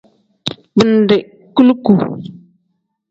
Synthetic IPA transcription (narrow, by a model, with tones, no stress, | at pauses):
bə˨n˨dɪ˨ | ku˦lku˨